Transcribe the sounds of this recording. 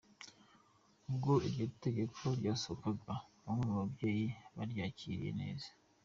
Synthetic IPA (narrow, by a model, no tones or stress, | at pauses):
ubɡo̞iɾɟote̞ɡe̞kʰoɾɟasokaɡaβaŋenuβabjeːjiβaɾjaːciɾḭje̞̰ne̞̰ːzḁ